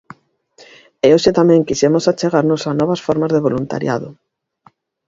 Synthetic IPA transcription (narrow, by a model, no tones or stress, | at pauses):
eoʃet̪amɛ̃ŋkisemosat͡ʃeɣaɾnosanɔβasfɔɾmazðeβolunt̪a̰ɾja̰ðʊ